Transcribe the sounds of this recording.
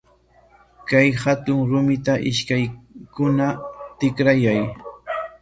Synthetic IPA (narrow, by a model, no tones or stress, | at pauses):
kajhat̪ʊŋɾʊmɪt̪aʔɪʃkajkʊnat̪ɪkɾajaj